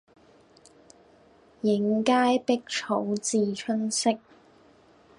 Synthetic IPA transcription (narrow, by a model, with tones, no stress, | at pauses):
jɪ˨˥ŋkaː˥jpɪ˥k̚t͡ʃʰo˨˥wt͡siː˨˩t͡ʃʰɵ˥nsɪ˥k̚